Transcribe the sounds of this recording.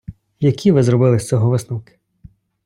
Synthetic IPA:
jɐkʲʰiʋɪzɾɔbɪlˠɪsʲt͡sʲɔɦɔʋɪsnɔwkɪ̥

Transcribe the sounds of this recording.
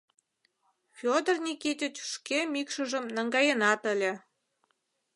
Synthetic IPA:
fʲod̪ərnʲikit̪ʲet͡ɕy̥ʃkemikʃə̆ʒə̆mnəŋɡɑjənɑt̪əlʲe

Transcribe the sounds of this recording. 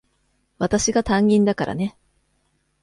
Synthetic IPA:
βat̪aɕiɡat̪ãŋɡʲĩnd̪akaɾʔa̰ne̞

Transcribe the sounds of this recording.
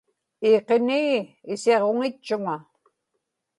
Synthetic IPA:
iːqeniːɪseʁo̞ŋɪt͡ʃːʊŋa

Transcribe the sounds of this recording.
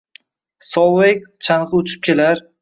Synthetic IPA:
sɒwˠek̚ʲt͡ʃʰanʁɨʊt͡ʃʰɪ̥p̚kʲe̞laɾ

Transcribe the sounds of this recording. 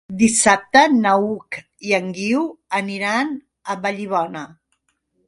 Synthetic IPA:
d̪isap̚t̪ənəuk | iəŋɡiwəniɾan | əβəʎiβ̞ɔnə

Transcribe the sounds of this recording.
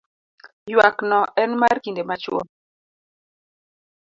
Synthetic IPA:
jwaknɔʔɛnmarkindemat͡ʃwɔ̰

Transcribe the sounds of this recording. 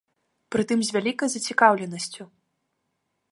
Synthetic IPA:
pɾɨt̪ɨmzʲvʲalʲikɐjzɐt͡sʲikawlʲɛnɐsʲt͡sʲu

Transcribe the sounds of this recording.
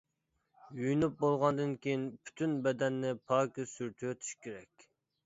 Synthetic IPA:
jyjnyp̚bolˠʁɑnd̪ɨnkʲejinpʰy̥t̪ʰynbɛd̪ɛnːɪpʰɑkʲisyɾt̪ʰywøt̪ʰy̥ʃkʲʰeɾɛkʲ

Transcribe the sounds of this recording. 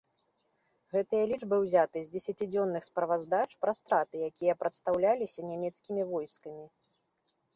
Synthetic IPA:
ɣɛt̪ɨjɐlʲiʐbɨwzʲat̪ɨzʲd͡zʲɛsʲat͡sʲid͡zʲɔnːɨxspɾɐvazd̪at͡ʂpɾɐst̪ɾat̪ɨjakʲijɐpɾɐt̪st̪awlʲalʲisʲɐnʲamʲɛt̪skʲimʲivɔjskɐmʲi

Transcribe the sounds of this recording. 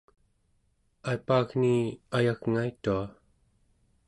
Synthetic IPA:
ajpaːɣniajaɣŋajt̪ua

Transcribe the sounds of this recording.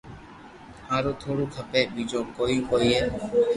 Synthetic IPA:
hãːɾoːt̪ʰoːɽuːkʰəpeːɓiːd͡ʒõːkoːiːkoːiːɦeː

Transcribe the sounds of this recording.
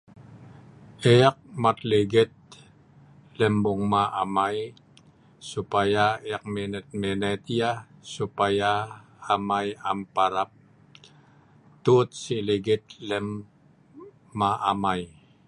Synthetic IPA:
eak̚mat̪liɡɪt̪̚ | lɛmbʊŋmaʔamaj | supajaeak̚menət̪̚mɛnat̪iasupajaː | majampaɾap̚ | t̪ut̪̚siliɡɪt̪̚lɛm | aʔamaj

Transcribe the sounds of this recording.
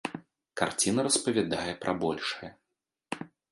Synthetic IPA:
kart͡sʲinɐɾɐspɐvʲad̪ajɛpɾʔɐbɔlʲʂɐjɐ

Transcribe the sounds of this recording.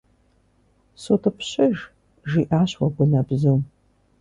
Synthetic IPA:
sotʰɐpɕɐʒ | ʒiːʔaːɕwɐɡʷʊnɐbzum

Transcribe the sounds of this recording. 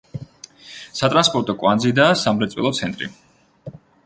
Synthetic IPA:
sat̪ʼɾanspʼɔɾt̪ʼɔkʼwand̪zid̪aːsamɾɛt̪sʼwḭlˠɔt̪sʰɛnt̪ʼɾḭ

